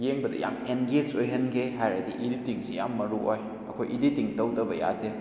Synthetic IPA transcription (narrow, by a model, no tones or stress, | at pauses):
jeŋbɐdɐ̰ja̰menɡed͡ʒojɦɐnɡeɦajɾɐdḭʔiditiŋsijamːɐɾuoj | ɐ̰kʰojʔiditiŋtɐwdɐbɐja̰te